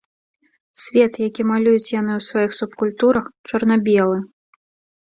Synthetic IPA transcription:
sʲvʲɛt̪jakʲimalʲujut͡sʲjan̪ɨwsvajixsupkulʲt̪uɾɐxt͡ʂɐrnabʲɛlˠɨ

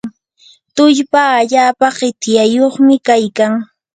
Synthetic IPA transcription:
t̪ʊʎpaːʎaːpaɢɪt̪jajoχmɪkajkaŋ

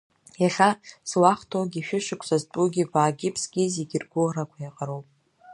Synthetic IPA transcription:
jaɬaslaχtʰoɡʲiʃᶣɪʃɪkʷʰsaztʼuɡʲiɡʷʼaːɡʲɪpʰsɡʲiziɡʲɪrɡʷʊrakʷʰajaqʼaɾowpʼ

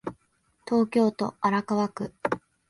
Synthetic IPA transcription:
t̪o̞ːkʲo̞ːt̪o̞aɾakaβakɯ̟

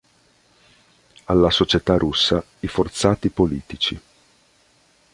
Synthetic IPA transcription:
alːasot͡ʃet̪arusːa | ifort̪saːt̪ipoliːt̪it͡ʃi

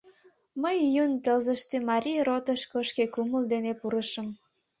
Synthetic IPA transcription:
məjjunt̪əlzəʃt̪emɑɾʲijrot̪əʃkoʃkekuməld̪enepuɾəʃəm

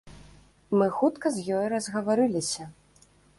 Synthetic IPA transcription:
mɨxut̪kɐzʲjɔjɾɐzɣɐvaɾɨlʲisʲɐ

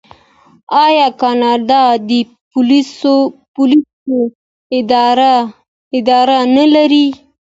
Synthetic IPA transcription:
ɑjɑkɑnɑd̪ɑd̪ə | pʊlisopʊliso | ɪd̪ | ɪd̪ɑɾanalaɾi

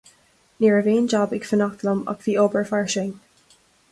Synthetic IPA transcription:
niːɹəveːnd͡ʒɑbɪɡfənɔt̪ələmɑ̰ɡviːoːbəɹfaɹʃeːn

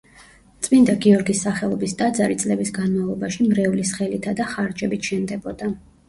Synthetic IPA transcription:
t̪sʼmind̪aɡiɔɾɡisːaχɛlˠɔbist̪ʼad̪zaɾit̪sʼlɛbisɡanmavlˠɔbaʃimɾɛulisχɛlit̪ʰad̪aχaɾd͡ʒɛbit̪ʃɛnd̪ɛbɔd̪a

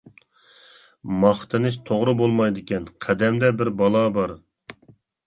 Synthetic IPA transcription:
mɑχt̪ʰɨnɨʃt̪ʰoʁɾɨbolˠmɑjd̪ɪkʲɛnqʰɛd̪ɛmd̪ɛbɪɾbɑlˠɑbɑɾ

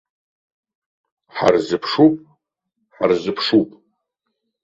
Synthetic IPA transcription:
ħa̰rzɨpʰʂupʼ | ħa̰rzɨpʰʂupʼ

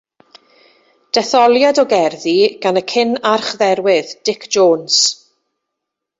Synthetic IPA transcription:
d̥ɛθɔlˠjadɔɡɛrðiɡ̥anəkʰɪnarχðɛɾwɪðd̥ɪkʰd͡ʒoːns

